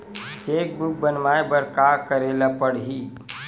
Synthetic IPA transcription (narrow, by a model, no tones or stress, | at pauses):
t͡ʃeːk̚buk̚bənmaebəɾkakəɾelapəɽɦiː